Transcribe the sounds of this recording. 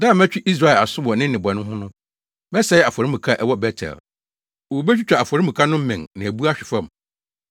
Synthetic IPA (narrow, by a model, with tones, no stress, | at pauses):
da˦˨m˦æ˦t͡ɕᶣi˦ʔi˦s̬ɾa˦˨ɛ˨la˨sʊ̃˦wɔ˨nɪ̃˦n˦nɪ̃˨bɔ˨nʊ̃˦ɦʊ̃˦nʊ̃˦ | mɛ˦sɛ˦jɛ˦a˨fɔ˨ɾi˦mũ˨kʰa˦ʔɛ˦wɔ˦bɛ˦tʰɛ̰˨l | o˨be˦t͡ɕᶣi˦t͡ɕᶣʰa˨a˨fɔ˨ɾi˦mũ˨kʰa˦nʊ̃˦m̩˦mɪ̃˨ŋnã˨æ˨bu˦a˦ɕᶣɪ˨fã˦˨m˨